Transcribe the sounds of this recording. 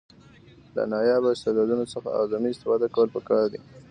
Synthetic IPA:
la̰nɑjɑbaɪst̪ed̪ɑd̪unosəxa̰ɑ̰zɑmiɪst̪ɪfɑd̪akawəlpəkɑɾd̪i

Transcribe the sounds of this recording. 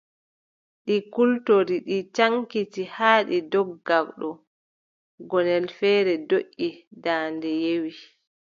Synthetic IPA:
ɗikultoɾiɗit͡ʃaŋkitihaːɗidɔɡakɗɔ | ɡɔnɛlfɛːɾɛdoʔːidaːndɛjewi

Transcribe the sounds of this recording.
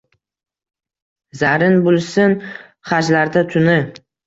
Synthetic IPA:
zaɾɪnbʊlˠsɪn | χad͡ʒlaɾd̪at̪ʰʊnɪ

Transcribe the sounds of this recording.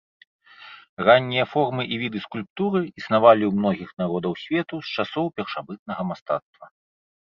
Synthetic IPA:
ranʲːijɐfɔrmɨʔivʲid̪ɨskulʲp̚t̪uɾɨisnavalʲiwmnɔɣʲixnaɾɔd̪ɐwsʲvʲɛt̪ust͡ʂasɔwpʲɛrʂabɨt̪̚nɐɣɐmast̪a̰t̪st̪vɐ

